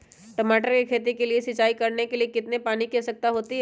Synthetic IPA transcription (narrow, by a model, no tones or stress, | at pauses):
ʈɐmaːʈəɾkekʰeːt̪ikeliesɪt͡ʃaːikɐɾnekeliekɪt̪nepaːnikɛsɐk̚t̪aɦoːt̪iɦ